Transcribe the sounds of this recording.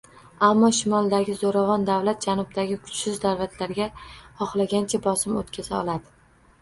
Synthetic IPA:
amːɒʃʊmɒlˠd̪aɡʲɪzoɾavɒnd̪avlat̪̚d͡ʒanʊb̚d̪aɡʲɪkʰʊ̥t͡ʃsɪzd̪aɾvat̪ʰlaɾɡʲahɒχlˠaɡʲant͡ʃʰabɒsɪmot̪kʲʰazaɒ̰lˠad̪ɪ

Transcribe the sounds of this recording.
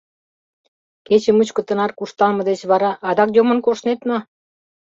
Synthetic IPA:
ket͡ɕĕmət͡ɕkɤ̆t̪ə̆nɑrkuʃt̪ɑlmɤ̆d̪et͡ɕβɑɾɑʔɑd̪ɑkjomə̆nkoʃnet̪no

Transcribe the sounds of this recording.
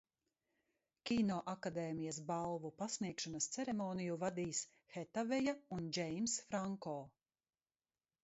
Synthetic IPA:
kʲiːnɔːʔakad̪ɛːmijɐs̬balˠvupasniɛkʃɔnɐst̪sɛɾemɔːnijuvad̪iːs | xɛt̪avɛjaund͡ʒɛjmsfɾaŋkɔː

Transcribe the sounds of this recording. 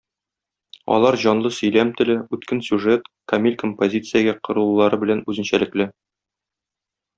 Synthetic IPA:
ɒ̰lˠɑɾʑɒnlˠɤsɵ̆jlæmt̪ɘ̆lɘʉt̪kɘnsʲuʐet̪kɐmʲilʲkompozʲit̪sɨjaɡæqŏɾɤ̆lˠlˠɑɾɤbɘ̆lænʉzɘ̆nɕælɘ̆klɘ

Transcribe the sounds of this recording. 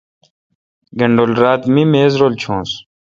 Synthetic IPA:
ɡɐɳɖolɾaːt̪mimeːzɾoːlt͡ɕʰõːs

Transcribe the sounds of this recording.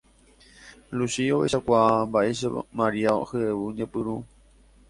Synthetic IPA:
lusioeʃakʷaambaʔeʃamaɾiao̰hɨeʋɨɲẽpɨɾu

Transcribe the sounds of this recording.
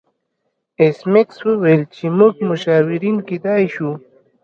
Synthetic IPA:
esmekswuwalt͡ʃimuɡmuʃaːwiɾinkid̪ɑjʃu

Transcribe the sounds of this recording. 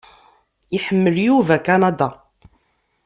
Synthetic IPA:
iħəmːəljuvækanɑd̪ɑ

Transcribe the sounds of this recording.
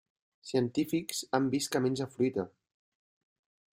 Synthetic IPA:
siənt̪ifiksambiskəmenʲd͡ʒafɾuit̪ə

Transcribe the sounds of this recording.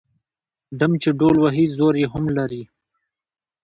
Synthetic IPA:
ɖamt͡ʃeɖolwaɦizoɾjeɦʊmlaɾi

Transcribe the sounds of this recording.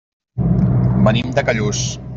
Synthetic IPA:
mənimd̪əkaʎus

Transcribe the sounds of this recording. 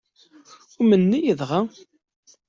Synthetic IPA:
ʊmənːijəðʁa

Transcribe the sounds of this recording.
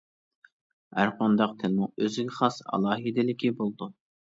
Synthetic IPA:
hæɾqɑnd̪ɑqt̪ʰɪlmʊøzɪɡʲɛχɑsɑ̰lˠɑːɦid̪ɪlɪkʲibolˠd̪u

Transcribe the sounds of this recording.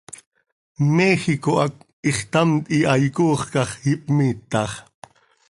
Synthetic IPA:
mexikoʔɑk̚ | iχt̪ɑmt̪ʼiʔɑjkuːχkɑχhipʼmiːt̪ːɑχ

